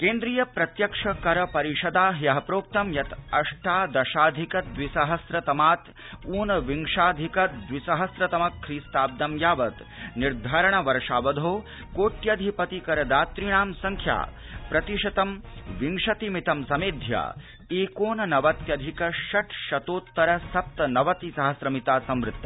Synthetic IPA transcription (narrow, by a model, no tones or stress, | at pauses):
keːnd̪ɾijɐpɾɐt̪jɐkʂɐkɐɾɐpɐɾiʃɐd̪aːɦjɐɦɐpɾoːp̚t̪ɐmjɐt̪ɐʂʈaːd̪ɐʃaːd̪ʱikɐd̪ʋisɐɦɐsɾɐt̪ɐmaːt̪ | uːnɐʋiŋʂaːd̪ʱikɐd̪ʋisɐɦɐsɾɐt̪ɐmɐkʰːɾiːst̪aːb̚d̪ɐmjaːʋɐt̪ | niɾd̪ʱaːɾɐɳ̃ɐʋɐɾʂaːʋɐd̪ʱoː | koːʈjɐd̪ʱipɐt̪ikɐɾɐd̪aːt̪ɾiɳ̃aːmsɐŋkʰja̰ː | pɾɐt̪iʃɐt̪ɐmʋiŋʂɐt̪imit̪ɐmsɐmeːd̪ʱja̰ː | eːkoːnɐnɐʋɐt̪jɐd̪ʱikɐʃɐʈʰʃɐt̪oːt̪ːɐɾɐsɐp̚t̪ɐnɐʋɐt̪isɐɦɐsɾɐmit̪aːsɐmɾɪt̪ːɐ